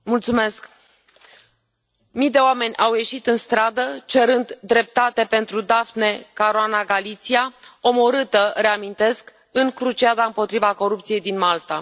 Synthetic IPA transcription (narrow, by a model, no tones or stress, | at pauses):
mult̪sume̞sk | mijd̪e̞oame̞nʲʔawje̞ʃit̪ɨnst̪ɾad̪ət͡ʃe̞ɾɨnd̪d̪ɾe̞p̚t̪at̪e̞pe̞nt̪ɾud̪afne̞kaɾoanaɡalit̪siao̞mo̞ɾɨt̪əreamint̪e̞sk | ɨŋkɾut͡ʃiad̪aɨmpo̞t̪ɾivako̞ɾup̚t̪sije̞jd̪inmalt̪a